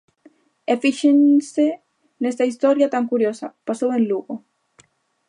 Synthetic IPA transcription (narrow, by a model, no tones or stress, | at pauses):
efiʃense | nest̪aist̪oɾjat̪aŋkuɾjosapasowenluɣo